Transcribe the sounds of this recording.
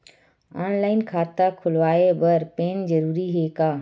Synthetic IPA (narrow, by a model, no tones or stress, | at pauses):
aːnlaːɪnkʰaːt̪akʰʊlʋaːebɐɾpeːnzɐɾuːɾiɦeːkaː